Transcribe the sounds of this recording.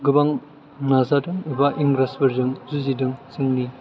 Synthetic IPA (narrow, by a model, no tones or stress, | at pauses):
ɡɯbaŋ | nazadɯŋɯbaʔiŋɡɾasbɐɾdɯŋzuzidɯŋsɯŋni